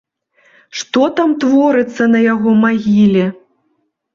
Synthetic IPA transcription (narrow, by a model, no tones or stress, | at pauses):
ʂt̪ɔt̪amt̪vɔɾɨt̪sːɐnɐjaɣɔmaɣʲilʲɛ